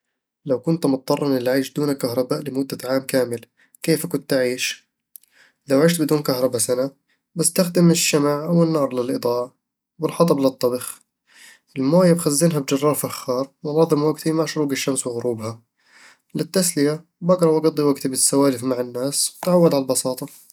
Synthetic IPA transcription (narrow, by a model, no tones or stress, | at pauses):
lawkʊnt̪mʊt̪̚ˤt̪ːˤɑrˤːɑnɪlʕiːʃd̪uːnakaɦɾˤɑbaːʔlɪmʊd̪ːaʕaːmkaːmɪl | keːfkʊnt̪aʕiːʃ | lawʕɪːʃt̪bɪd̪uːnkahɾˤɑbasana | bɪst̪axd̪ɪmɪʃːamaʕʔawɪnːɑːɾˤlɪlʔɨd̪ˤɑːʕɑ | bɪlħɑt̪ˤɑblɪt̪ˤːɑbɪx | ʔɪlmoːjabxazːɪnɦabd͡ʒɑrˤːɑːɾˤfaxːɑːɾˤmʊnɑːðˤɨmwaɡt̪imaʕʃʊɾuːɡɪʃːamswɪɣʊɾuːbha | lɪt̪ːaslɪja | baɡɾˤɑwʔɑɡɑd̪ˤːiwaɡt̪bɪsːawaːlɪfmaʕanːaːswt̪ʕawːad̪ʕalbɑsɑːt̪ˤɑ